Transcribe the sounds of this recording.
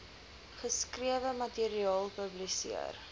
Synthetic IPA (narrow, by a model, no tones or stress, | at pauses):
χəskriəvəmɐtiɾiɑːlˠpəblisḭər